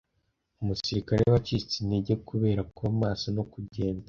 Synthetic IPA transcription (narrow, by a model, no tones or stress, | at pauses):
umusiɾikaɾejaβat͡ʃit͡sineɟekʰuβe̞ːɾakamaːsono̞kuɟe̞ːnda